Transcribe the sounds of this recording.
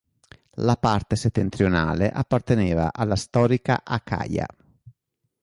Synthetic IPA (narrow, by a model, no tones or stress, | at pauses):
lapart̪eset̪ːent̪ɾiona̰ːleʔapːart̪eneːva̰ʔalːast̪ɔːɾika̰ʔakʰa̰ːja̰